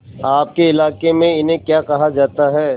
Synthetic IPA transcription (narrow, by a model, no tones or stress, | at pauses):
aːp̚keɪlaːkemẽɪnɦẽkjaːkɐɦad͡ʒaːt̪aɦɛː